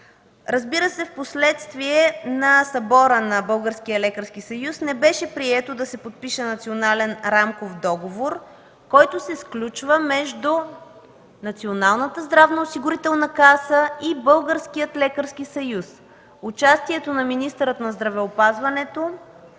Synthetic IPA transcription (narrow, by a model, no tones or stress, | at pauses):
ɾɐzbiɾəsɛfposlɛt̪st̪viɛnɐsɐbɔɾənɐbɤlˠɡəɾsk̟ijəlɛkəɾskisɐjusnɛbɛʃɛpɾiɛt̪od̪ɐsɛpot̪̚piʃɛnɐt̪sionalɛnɾamkofd̪ɔɡovoɾ | kɔjt̪osɛsklʲut͡ʃvəmɛʒd̪u | nɐt̪sionalˠnət̪əzd̪ɾavnɐosiɡʊɾit̪ɛlˠnɐkasəibɤlˠɡəɾskijət̪lɛkəɾsk̟isɐjus | ʊt͡ʃast̪iɛt̪onɐminist̪əɾət̪nɐzd̪ɾɐvɛopazvɐnɛt̪o